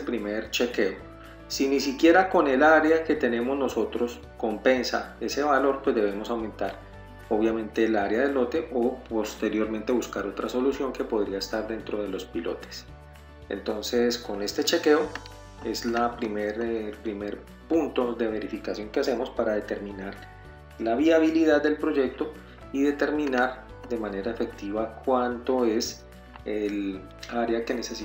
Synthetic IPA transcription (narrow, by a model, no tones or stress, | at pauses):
lpɾimeɾt͡ʃe̞ke̞o | sinisikje̞ɾako̞ne̞laɾeake̞t̪e̞ne̞mo̞zno̞so̞t̪ɾo̞s | ko̞mpe̞nsa̰e̞se̞βalo̞ɾpwe̞zd̪e̞βe̞mo̞sawmẽ̞nt̪aɾ | oβjamẽ̞nt̪e̞laaɾjaðe̞lo̞t̪e̞ʔo̞po̞st̪e̞ɾjo̞ɾmẽ̞nt̪e̞βuskaɾo̞t̪ɾaso̞lusjo̞ŋke̞po̞ð̞ɾiaest̪aɾd̪e̞nt̪ɾo̞ð̞e̞lo̞spilo̞̰t̪e̥s | ḛnt̪o̞nse̞sko̞ne̞st̪e̞t͡ʃe̞ke̞o | e̞slapɾimeɾlpɾime̞ɾ | punt̪o̞ðe̞βe̞ɾifikasjo̞ŋkease̞mo̞spaɾaðe̞t̪e̞ɾmĩnaɾ | laβiaβiliðad̪d̪e̞lpɾo̞d͡ʒe̞k̚t̪o̞ | iðe̞t̪e̞ɾmĩnaɾ | d̪e̞mane̞ɾae̞fe̞k̚t̪iβakwant̪o̞e̞s | el | aɾeake̞ne̞ses